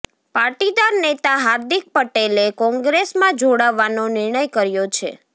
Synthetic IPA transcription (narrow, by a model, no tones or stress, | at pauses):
paɾʈid̪aɾnet̪aɦaɾd̪ik̚pəʈelekɔ̃ŋɡɾesmãd͡ʒoɽaʋːanonɪɾɳəjkəɾjot͡ʃʰḛ